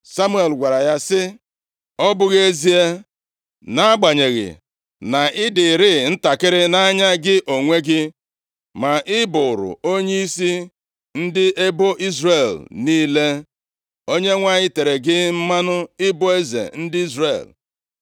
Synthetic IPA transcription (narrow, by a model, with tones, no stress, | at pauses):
sa˦mu˦e˨lɡʷa˨ɾa˨ja˦sɪ˦ | ɔ˦bʊ˦ɣe˦zi˦e˦ | na˦a˦ɡ͡ba˨ɲe˨ɣɪ̰˨ | na˨ʔɪ˦dɪ˨ɾɪ˦˨n̩˦ta˨kɪ˦ɾɪ˦na˦ɲa˦ɡɪ˦ʔo˨ŋʷe˦ɡɪ˦ | ma˨ʔɪ˦bʊ˨ʊ˨ɾʊ̰˨o˦ɲe˦i˦si˦ | n̩˦dɪ˦e˦bo˦ʔi˦zre˦˨lniː˦le˦ | o˦ɲe˦ŋʷa˦˨ɲɪ˦te˨ɾe˨ɡɪ˦m̩˦ma˦nʊ˦ɪ˦bo˦e˦zḛ˨n̩˦dɪ˦i˦zrḛ˨l